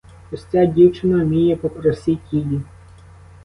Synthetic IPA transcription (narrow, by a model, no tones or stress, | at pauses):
ɔsʲtʲadʲiwt͡ʃɪnɐmʲijɛpɔpɾɔsʲitʲilʲi